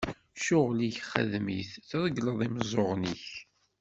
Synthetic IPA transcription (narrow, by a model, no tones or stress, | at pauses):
ʃʊʁliçχə̰ðmiθθðˤəɡləðˤiməzˤoʁniç